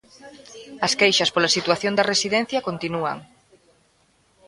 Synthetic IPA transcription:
ɐskejʃɐspolɐsit̪waθjond̪ɐresiðɛn̟θjɐkont̪inuɐ̰ŋ

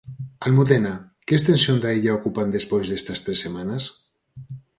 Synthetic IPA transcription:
almuðena | kest̪ensjond̪aeʎaokupand̪espojzðest̪ast̪ɾesemanas

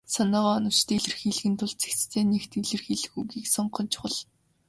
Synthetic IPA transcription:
sanɔːʁɔːɔnɞ̆w̥t͡ɕt̪iɮɘ̆rxiːɮɣɘ̆nt̪ʰʊɮt͡se̥kt͡st̪ʰeːnekt̪iɮɘ̆rxiːɮɘ̆xuɣiːksɔɴɢɞ̆nt͡ɕʰʊ̥χə̆ɮ

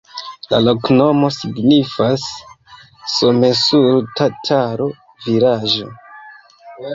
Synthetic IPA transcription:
la̰lo̞kno̞mo̞siɡnifasː | ome̞suɾtatʰaɾo̞ | viɾaʒo̰

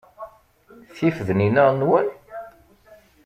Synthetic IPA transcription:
θifðninæʁnwæn

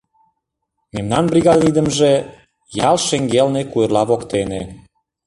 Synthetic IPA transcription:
memnɑnbriɣɑd̪nid̪ə̆mʒĕ | jɑlʃeŋɡelnekuerlɑβokt̪ene

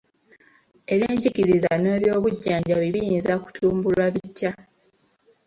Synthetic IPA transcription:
e̞βeːɲɟikiɾizane̞ːβjo̞ːβuɟːaːɲɟaβiβijiːnzaku̥tʰuːmbulwaβitːja

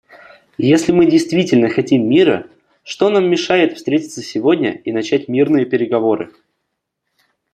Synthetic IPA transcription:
jesʲlʲɪmɨdʲɪjst̪vʲitʲɪlʲnəxɐtʲimːʲiɾə̰ | ʂt̪o̞namːʲɪʂajɪt̪fst̪ɾʲetʲɪ̥t̪səsʲɪvo̞dʲnʲə̰inɐt͡ɕætʲmʲirnɨjəpʲɪɾʲɪɡɐvo̞ɾɨ̰

